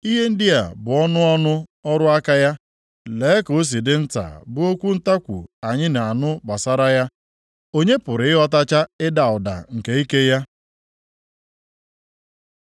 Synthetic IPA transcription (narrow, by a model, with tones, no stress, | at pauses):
i˦ɦe˦n̩˦dɪ˦a̰˨bʊ˨ɔ˦nʊ˦ɔ˦nʊ˦ɔ˦ɾʊ˦a˦ka˦ja˦ | le˨˦ko˨˦s̬i˨dɪ˦n̩˦ta̰˨bʊ˦o˦kʷu˦n̩˦ta˦kʷṵ˨a˨ɲɪ˦na˨a˨nʊ˦ɡ͡ba˨sa˦ɾa˦ja˦ | o˦ɲe˦pʊ˨ɾɪ˨ɪ˦ɦɔ˦ta˦t͡ʃa˦ɪ˦da˨ʊ˨da̰˨ŋ̩˨ke˨i˦ke˦ja˦